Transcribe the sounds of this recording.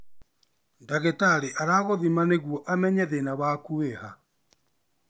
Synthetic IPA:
ndaɣetaɾeʔaɾaːɣoðimaneɣwɔʔamɛɲɛðenaβakueha

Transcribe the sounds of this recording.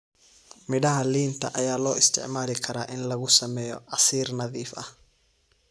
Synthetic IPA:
mɪɽɐɦɐliːnt̪ʰɐ̰ʔɐjaːlɔːɪst̪ʰɪ̰ʕmaːlɪkʰɐɾaːʔɪnlɐɣʊsɐmɛːjɔ̰ʕɑsiːrnɐðiːfʔɐh

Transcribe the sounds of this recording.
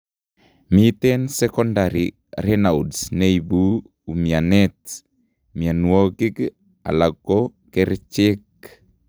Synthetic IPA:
mit̪ɛnsɛkɔndaɾi | ɾɛnaudsneibuː | mianɛt̪ | mianuoɡiɡ | a̰laɡokɛɾt͡ʃek

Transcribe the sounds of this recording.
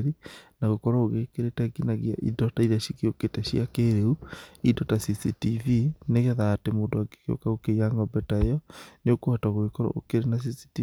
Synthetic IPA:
ɾinaɣokɔɾaoɣekeɾetɛɡinaɣia̰ʔḭdɔtaiɾaʃikeoketɛʃiakeɾeuidɔtasisitivineɣɛðaːtemoːndoaɡe̥keo̰kaɣokeiaŋɡɔbɛtaejɔneokoataɣoɣekɔɾɔ̰ʔo̰keɾenas̬isi̥ti

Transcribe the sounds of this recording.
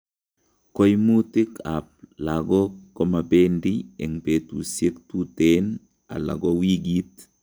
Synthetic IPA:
kojmutɪkap̚laɡɔkɔmabendiɛŋpetṵsjektuten | a̰la̰ɡowiɡit

